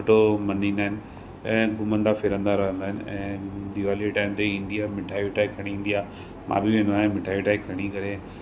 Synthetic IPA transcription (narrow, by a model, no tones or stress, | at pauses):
ʈomɐninaːɦɪnɪ | ɛ̃ːɡʊmə̃nd̪afɪɾə̃nd̪aɾɐɦə̃nd̪aːɦɪnɪɛ̃ːd̪iʋaːliʈaːɪmt̪eɪ̃nd̪ijamɪʈʰaːʋiʈaːikʰɐɽ̃iĩnd̪ijaː | mʔã̰ːbɪʋẽːnd̪oaːɦẽmɪʈʰaːiʈaːikʰɐɽ̃ikɐɾe